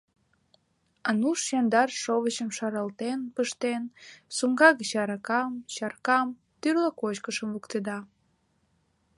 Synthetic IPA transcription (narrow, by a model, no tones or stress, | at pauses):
ɑnuʃjɑnd̪ɑrʃoβət͡ɕəmʃɑɾɑlt̪enpəʃt̪ensumɡɑɣət͡ɕɑɾɑkɑmɕɑrkɑm | t̪yrlɑkot͡ɕkəʃəmvukt̪ed̪ɑ